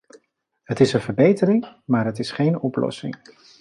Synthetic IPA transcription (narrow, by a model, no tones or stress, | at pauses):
ɦətɪsənvəɹbejtəɾɪŋmaːɹɦətɪsχejnɔplɔ̰sɪ̰ŋ